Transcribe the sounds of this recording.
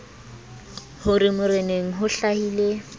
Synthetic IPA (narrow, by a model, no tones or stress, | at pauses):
hʊrɪmʊreneŋ̩ɦʊɬahiːle